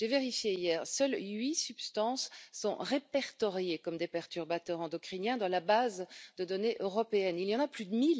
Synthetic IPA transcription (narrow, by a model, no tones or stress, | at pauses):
ʒ̥eveʁifjeijɛːʁsœlɥisybst̪ɑ̃sːɔ̰̃ʁepɛʁt̪ɔʁjekɔmd̪epɛʁt̪yʁbat̪œʁɑ̃d̪ɔkχinjɛ̃d̪ɑ̃labazd̪əd̪ɔneʔøʁɔpeɛniljɑ̃naplyd̪əmil